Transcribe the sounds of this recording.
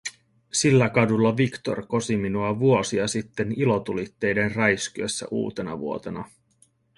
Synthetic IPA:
silːækɑdulːɑʋikt̪o̰rko̞siminuɑʋuo̞siɑsit̪ːe̞nilo̞t̪ulit̪ːe̞jde̞nrɑjskyesːæ̰ʔṵːt̪e̞nɑ̰ʋṵo̞t̪e̞nɑ

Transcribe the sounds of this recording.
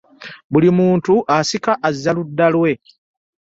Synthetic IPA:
bulimuːntuʔasikaʔazːaludːalwe̞

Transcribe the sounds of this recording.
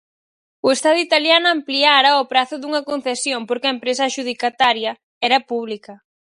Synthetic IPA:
ʊest̪aðʊit̪aljanʊampliaɾɐopɾaθʊðuŋɐkon̟θesjompoɾkɪɐempɾesɐʃuð̞ikat̪aɾjɐ | ɛɾɐpuβlikɐ

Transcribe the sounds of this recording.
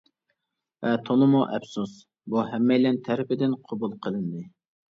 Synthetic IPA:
vɛt̪ʰolˠɨmoʔɛ̰bsus | buɦɛmːɛjlɛnt̪ʰɛɾɪpɪd̪ɪnqʰobulˠqʰəlˠɨnd̪ɨ

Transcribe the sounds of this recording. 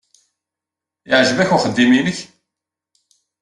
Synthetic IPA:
əʕʒəvæçʊχəd̪ːiminəç

